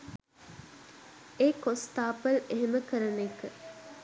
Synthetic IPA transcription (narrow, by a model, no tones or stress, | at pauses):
eːkost̪aːpəleɦeməkəɾənekə